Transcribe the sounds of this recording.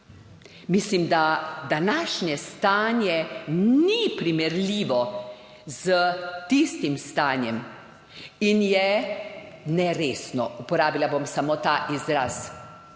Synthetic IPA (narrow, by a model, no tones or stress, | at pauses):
mislimd̪ad̪anaːʃnjɛst̪aːnjɛnipɾimɛɾlʲiːʋɔ | z̥ət̪ist̪imst̪aːnjɛm | injɛ | nɛɾeːsnɔ̰upɔɾaːbilabomsamoːt̪aːʔizɾaːs